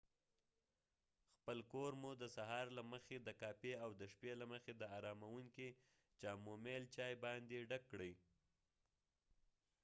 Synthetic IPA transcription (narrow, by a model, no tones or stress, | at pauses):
xpəlkoɾmud̪əsaɦɑɾlaməxed̪əkɑpeawd̪əʃpelaməxed̪əɑɾɑmawuŋki | t͡ʃɑmomelt͡ʃɑjbɑnd̪eɖakːɽəj